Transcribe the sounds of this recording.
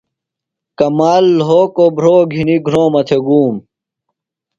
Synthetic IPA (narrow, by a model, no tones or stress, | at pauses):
kɐmaːlːɦoːkobʱɾoːɡʱiniɡʱɾoːmɐt̪ʰeɡuːm